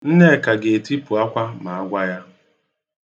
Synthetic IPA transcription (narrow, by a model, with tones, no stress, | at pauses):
n̩˦ne˦˨ka˨ɡe˨e˨ti˦pu˨a˦kʷa˦ma˨a˦ɡʷa˦ja˦